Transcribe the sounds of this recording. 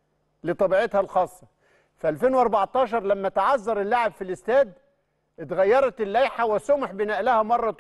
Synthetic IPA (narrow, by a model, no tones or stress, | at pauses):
lɪt̪ˤɑbiːʕet̪hælxɑːsˤːɑ | fæʔælfeːnwʔɑɾˤbɑʕt̪ˤɑːʃ̬ɑɾˤlæmːæt̪aʕɑzːɑɾˤɪlːaʕebfilʔɪst̪æːd̪̚ | ʔɪt̪ɣæjːɑɾˤɑt̪ɪlːæjħawɪsʊmħbɪnæːʔlæhæmɑrˤːɑt̪